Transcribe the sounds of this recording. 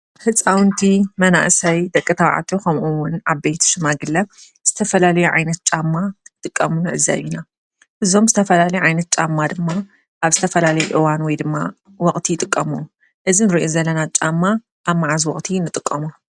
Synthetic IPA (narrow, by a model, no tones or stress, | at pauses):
hɨt͡sʼːawnt̪ʰimɐna̰ʔsɐjd̪ɐkʼːɨt̪ʰɐwʕa̰t̪ʰʼukʰɐmʔuwʊnʔaβbejt̪ʰʃɨmaɡɨlːɐ | z̥ɨt̪ʰɐfɐlalɐjuʕa̰jnɐt̪̚t͡ʃʼamːaɨt̪ʼɨkʼːɐmunɨʔɨza̰βina | ʔɨzo̞mzɨt̪ʰɐfɐlalɐjuʕajnɐt̪̚t͡ʃʼamːad̪ɨmːa | ʔaβzɨt̪ʰɐfɐlalɐjuʔɨwanwɔjd̪ɨmːa | wɔkʼt̪ʰijɪt̪ʼɨkʼːɐmu | ʔɨzinɨɾiʔozɐlːɐnat͡ʃʼamːa | ʔaβmːaʕazwɔχʼt̪ʰinɨt̪ʼɨkʼːɐmu